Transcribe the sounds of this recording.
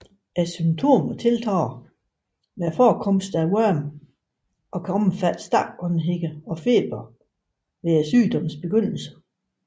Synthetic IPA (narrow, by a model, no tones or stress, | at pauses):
æsymt͡sʰo̝̰ːmɐt͡sʰe̝lt͡sʰɑ̰ː | ʋæɐfɒːkʰɒ̽msd̥æwœɐm | ʔɒ̽kʰɒməfæd̥sd̥ɑ̰̥̈ːɒ̽nɦeɡ̥əɒ̽fe̝̰ːb̥ɐ | ʋeɐsy̰ːd̥ɒ̽mn̩sb̥e̝ɡ̥øn̰l̩sə̥